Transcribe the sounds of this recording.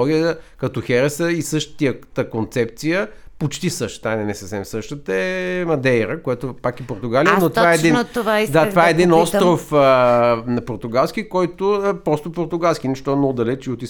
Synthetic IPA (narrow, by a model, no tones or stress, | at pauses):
ɔɡijəkɐt̪ɔxɛɾɛsəisɤʃt̪ə̥t̪iət̪əkont̪sɛp̚t̪sijəpot͡ʃt̪isəʃt̪ə̥t̪anɛnɛsəfsɛmsɤʃt̪ət̪əɛmɐd̪ɛjɾəkojɛt̪opakipoɾt̪ʊɡalijənot̪ovaɛɛd̪int̪ovad̪at̪ovaɛɛɛd̪inɔst̪ɾofənɐpoɾt̪ʊɡalˠskikɔjt̪opɾɔst̪opoɾt̪ʊɡalˠskinɛʃt̪ɔɛnɔd̪ɐlɛt͡ʃiot̪i